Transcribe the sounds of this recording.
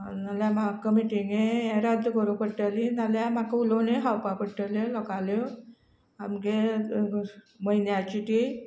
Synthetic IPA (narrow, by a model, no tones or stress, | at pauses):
naljamakəmiʈiŋɡẽeɾəd̪ɡəɾokəʈəlinaljamakəuloneɦawpakəʈəlelɔkale | amke | məinjat͡ɕiʈi